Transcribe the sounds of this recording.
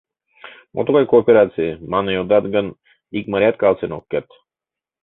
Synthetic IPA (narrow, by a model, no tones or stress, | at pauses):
mʔɔ̰t̪ɔkajkoːpɛɾat̪simanajod̪ad̪ɡan | ikmaɾiat̪̚kalˠsɛnɔkːɛt̪